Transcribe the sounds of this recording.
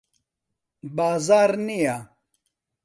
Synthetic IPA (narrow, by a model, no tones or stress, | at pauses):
baːzaːɾnija